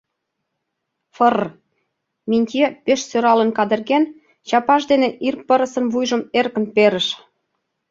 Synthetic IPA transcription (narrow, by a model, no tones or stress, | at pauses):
fər | minʲt̪ʲepeʃsøɾɑlənkɑd̪ə̆rɣen | t͡ɕɑpɑʃd̪eneʔirpəɾə̆sə̆nβujʒə̆merkə̆npeɾə̆ʃ